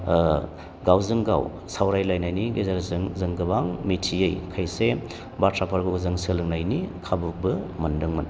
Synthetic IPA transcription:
ɡawzɯŋɡa̰w | sawɾajlajnajniɡezaɾzɯŋzɯŋɡɯbaŋmitʰiejkʰajse | batʰɾapʰaɾɡɐuzɯŋsɯlɯŋnajnikʰabuk̚bɯmɐndɯŋmɐn

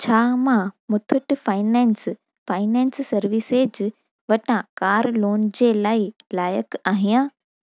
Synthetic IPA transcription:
t͡ɕʰaːmãmʊt̪ʰʊʈfaːɪnɛ̃ːns | faːɪnɛ̃ːnsːɐɾʋɪseːd͡ʑ | ʋɐʈãkaːɾloːnd͡ʑeːlaːɪlaːjəkaːɦijãː

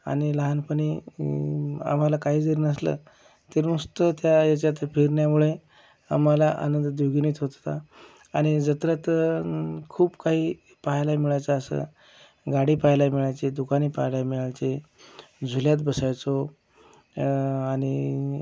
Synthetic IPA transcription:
a̰ñiləɦanpəniː | a̰m̤alakaɦiːd͡zəɾiːnəslə̰ | t̪eɾmust̪ət̪jajat͡ɕjat̪pʰiɾɳjamuɭe | a̰m̤alaʔa̰nənd̪d̪joɡiniːt̪ɦot̪t̪a | aɽ̃id͡zət̪ɾat̪ | kʰuːbkaɦiː | paɦlamiɭajt͡saːsə̰ | ɡaɽiːpaɦjlajmiɭajt͡sed̪ukañiːpaɦjlajmiɭajt͡se | d͡zʱuljat̪bəsajt͡so | aɽ̃i

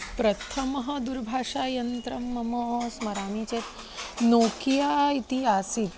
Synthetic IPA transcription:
pɾɐt̪ʰɐmɐɦɐd̪uɾbʱaːʂaːjɐnt̪ɾɐmːɐmosmɐɾaːmiːt͡ʃeːt̪ | noːkijaːit̪iɦaːsit̪̚

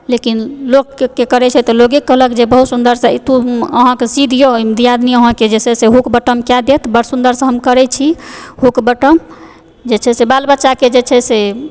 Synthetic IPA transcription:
lekinlokːekəɾɛt͡ʃʰɛt̪ɔloɡikːəɦləkd͡ʒebəɦut̪sund̪əɾsə̃it̪uəɦãkesid̪ʱjomd̪ʱijad̪niəɦãked͡ʒesʰɛseɦukbəʈəmkjad̪et̪bəɽsund̪əɾsə̃ɦəmkəɾɛt͡ʃʰiɦukbəʈəm | d͡ʒet͡ʃʰɛsebalbəːʃaked͡ʒet͡ʃʰɛse

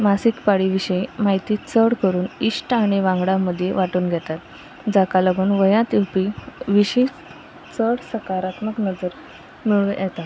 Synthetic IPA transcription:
masikpaɽiʋiɕəimaɦjt̪iːt͡səɽkəɾuːniʂʈaɽ̃iʋãŋɡɽaməd̪ʱjeʋaʈuːnɡʱɛt̪at̪ | d͡zakaləɡuːnʋəjãt̪iwpiʋiɕi | t͡səɽsəkaɾat̪məknəd͡zəɾ | miɭujʔɛt̪at̪

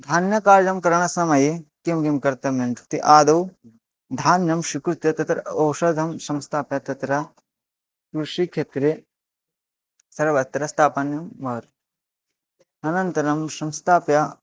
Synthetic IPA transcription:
d̪ʱaːnjɐkaːɾjɐmkɐɾɐɳ̃ɐsɐmɐjekimɡimkɐɾt̪ɐment̪u̥t̪iʔaːd̪ɐw | d̪ʱaːnjɐmʃukɾut̪jɐt̪ɐt̪ɾɐɐːʃɐd̪ʱɐmsɐ̃mst̪ʰaːpjɐt̪ɐt̪ɾɐ | kuɾʃikʰet̪ɾe | sɐɾʋɐt̪ɾɐst̪ʰaːpɐnjɐmːɐɾ | ɐnɐnt̪ɐɾɐmsɐmst̪ʰaːpjɐ

